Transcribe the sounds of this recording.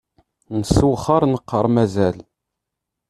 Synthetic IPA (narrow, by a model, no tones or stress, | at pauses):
nəsuχəɾˤnəqːəɾˤmæzæl